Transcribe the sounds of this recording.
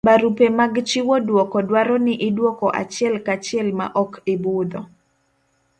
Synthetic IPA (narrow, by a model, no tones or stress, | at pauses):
baɾupemaɡt͡ʃɪwɔdwɔkɔdwaɾɔnɪʔɪdwɔkɔʔa̰t͡ʃɪɛlkat͡ʃɪɛlma̰ʔɔkɪbʊd̪ɔ